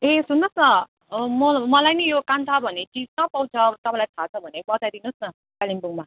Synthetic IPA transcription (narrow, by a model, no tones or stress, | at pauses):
esunːʌsnʌ | mʌmʌlajnʌjokant̪ʰʌbʱʌnet͡sid͡znʌpaw̃t͡sʰʌt̪ʌpãlajt̪ʰat͡sʰʌbʱʌnebʌtajd̪inusnʌ | kalimbuŋma